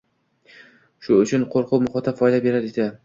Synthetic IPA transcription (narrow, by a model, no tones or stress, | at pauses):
ʃʊʊt͡ʃʰʊnqʰoɾqʰʊmʊχɒt̪ʰafɒjd̪abe̞ɾaɾed̪ɪ